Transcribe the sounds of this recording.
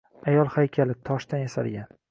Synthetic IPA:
ajɒlˠhajkʲʰalɪt̪ʰɒʃd̪anjasa̰lɡʲan

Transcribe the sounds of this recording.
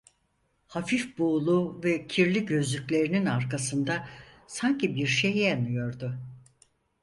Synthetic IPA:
hafifbuːlˠuvɛcʰiɾlʲiɟø̞zlʲyclʲe̞ɾininaɾkasɯnd̪a | saɲcʰibiɾʃejjanɯjo̞ɾd̪ʊ

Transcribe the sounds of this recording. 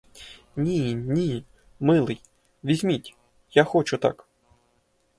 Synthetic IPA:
nʲinʲi | mɨlˠɨj | vʲizʲmʲitʲ | jaxɔt͡ʃʊt̪a̰k

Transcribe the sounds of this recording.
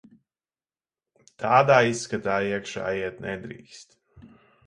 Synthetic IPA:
t̪ʰaːd̪aːisːkat̪aːiɛkʃa̰ːjiɛt̪nʔɛd̪ɾḭːkst̪

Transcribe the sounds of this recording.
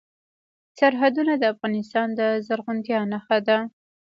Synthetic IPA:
saɾɦad̪unad̪əafɣɑnɪst̪ɑnd̪əzaɾɣʊnt̪jɑnaxad̪a

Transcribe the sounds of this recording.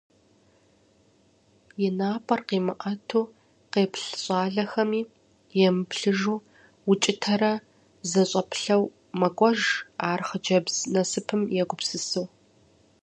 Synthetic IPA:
jɛnaːpʼɐrqeːmɨʔɐtʰuː | qeːpʰɬɕʼɑːɮɐxɐmiː | jɛmɨpɬɨʒuː | wʊt͡ʃʼɪtʰɐɾɐ | zɐɕʼɐpɬɐw | mɐkʷʼɔʒaːrχəd͡ʒɐbz̥nɐsɨpʰɨmjɛɡʷʊpsɨsuw

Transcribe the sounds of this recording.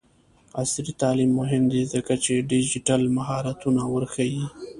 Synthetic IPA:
asɾit̪ɑlimːʊɦɪmd̪ezəkat͡ʃeɖid͡ʒɪʈalmaɦɑɾat̪unawəɾxaji

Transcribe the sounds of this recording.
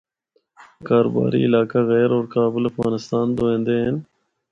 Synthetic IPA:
kaːɾo̰ːba̰ːɾḭɪlaːkaɣɛːɾoːɾkaːbɪlɐfɣaːnɪst̪aːnd̪oẽːnd̪eːɦen

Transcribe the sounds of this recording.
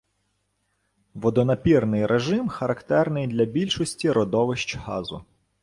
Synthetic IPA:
ʋɔd̪ɔnɐpʲirnɪjɾʔeʒɪmxɐɾɐkt̪ɛrnɪjd̪lʲɐbʲilʲʃɔsʲtʲiɾɔd̪ɔʋɪʃt͡ʃhɑ̰zʊ̰

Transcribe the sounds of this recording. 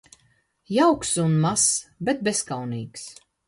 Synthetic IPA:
jawksunmasbet̪̚beskawniːks

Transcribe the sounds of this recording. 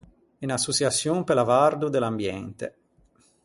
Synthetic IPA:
inasːut͡ʃjasːjompelavard̪ud̪elambjɛnt̪ḛ

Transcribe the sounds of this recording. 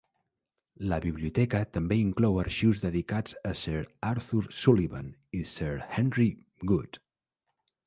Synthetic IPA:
ləβiβliut̪ɛkət̪əmbeiŋklɔwəɾʃiwzðəðikad͡zəsɛɾaɾθuɾsuliβa̰nisɛɾhɛnri | ɡut̪

